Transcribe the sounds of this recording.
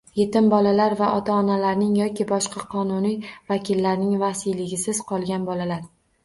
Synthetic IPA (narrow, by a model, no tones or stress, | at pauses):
je̞t̪ɪmbɒlalaɾvaʔɒt̪ʰaɒnalaɾnɪŋjɒkʲʰɪbɒʃqʰɑqʰɒnʊnijvakʲʰɪlːaɾnɪŋvasijlɪɡʲɪsɪz̥qʰɒlˠɡʲanbɒlalaɾ